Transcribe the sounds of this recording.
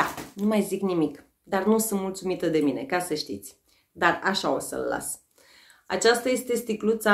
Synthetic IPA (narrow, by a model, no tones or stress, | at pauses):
anumajziknimik | d̪arnusɨnt̪mult̪sumit̪əd̪e̞mine̞̰kasəʃt̪ḭt̪sʲ | d̪araʃao̞sə̰lːa̰s | a̰t͡ʃast̪aje̞st̪e̞st̪iklut̪sa